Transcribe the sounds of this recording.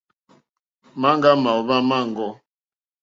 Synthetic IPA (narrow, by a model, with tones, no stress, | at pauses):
ma˦ŋɡa˦ma˨ɔ˨ba˦ma˦˨ŋ˨ɡɔ˦